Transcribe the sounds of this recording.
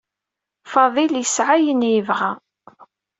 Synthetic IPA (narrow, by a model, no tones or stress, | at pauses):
fɑðˤiljəsʕajənjəvʁa